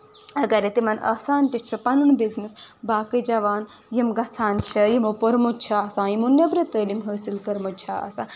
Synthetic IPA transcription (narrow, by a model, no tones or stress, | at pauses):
ɐɡɐɾet̪imɐnʔɐ̰saːnt̪it͡ʃʰupɐnunbiznisbaːkid͡ʒɐʋaːn | jimɡɐt͡sʰaːnt͡ʃʰɐjimopɐɾmut͡ʃʰaɐsãːjimunjɐbɾɐt̪əːlimɦəːsilkɐɾmɐt͡ʃʰaːɐ̰sãː